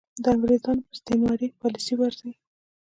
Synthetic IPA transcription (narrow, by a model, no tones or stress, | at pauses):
d̪əamɡɾezɑnpəst̪emɑɾipɑlisiwaɾzij